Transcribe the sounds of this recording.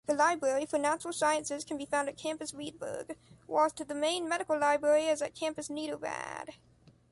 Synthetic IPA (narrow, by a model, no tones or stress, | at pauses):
ðɨlaɪbɹɛɹifə˞næt͡ʃəɹl̩ˠsaɪɨ̃nsɨz̥kʰɨ̃n̩bifãʊ̃ndɨt̚kʰæ̃mpɨswid̚bɜ̰ɡ̥walˠz̥tɨðɨmẽɪ̃nmɛɾɨkl̩ˠlaɪbɹɛɹiɨzɨt̚kʰæ̃mpɨsniɾoʊvæ̰d̥